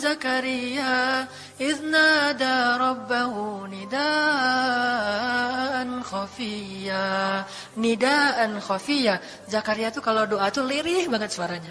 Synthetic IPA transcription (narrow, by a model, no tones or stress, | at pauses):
zakaɾija | ɪðnadaɾˤɔbːaɦunida | nxɔfia | nidaʔanxɔfija | zakaɾiat̪ukaladoʔat̪uliɾɪhbaŋət̪̚səaɾaɲa